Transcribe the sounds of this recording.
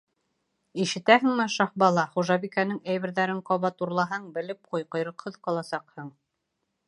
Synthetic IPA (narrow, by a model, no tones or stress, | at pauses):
iʃɘ̆t̪æhɘ̆ŋmɘʃɑhbɑlˠɑχuʒɑβikænɘŋæjβɘ̆ɾðæɾɘŋqɑβɑt̪uɾlˠɑɦɑɴbɘ̆lɘp̚qujqŏjɾɤ̆qhɤðqɑlˠɑsɑqhɤɴ